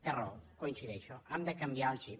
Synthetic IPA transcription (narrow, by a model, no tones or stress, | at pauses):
t̪ero̰koinsiðɛʃoʔamd̪əkambjalt͡ʃi